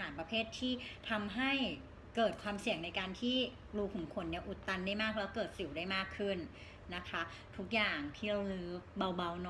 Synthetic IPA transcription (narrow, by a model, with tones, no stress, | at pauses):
aː˩˦npɾa˧pʰeː˥˩t̪ʰːiː˥˩t̪ʰa˧mɦa˥˩j | kɤː˨˩t̪̚kʰwaː˧msi˨˩əŋna˧jkaː˧nt̪ʰiː˥˩ | ɾuː˧kʰɔː˨˩˦ŋkʰo˧nːi˥˩ɐʔu˨˩t̪ːa˧ndaː˥˩jmaː˥˩k̚lɛː˦˥wkɤː˨˩t̪̚si˨˩˦wdaː˥˩jmaː˥˩kʰːɯ˥˩nː | a˦˥kʰa˦˥ | t̪ʰu˦˥k̚jaː˨˩ŋt̪ʰi˥˩˧wlɯː˦ba˧wba˧wnɔ˦